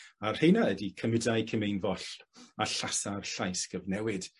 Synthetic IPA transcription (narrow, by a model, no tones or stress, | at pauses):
ar̥hejnaədikʰəmɪdajkʰəmejnvɔɬaɬasarɬajsɡ̥əvnɛwɪd̥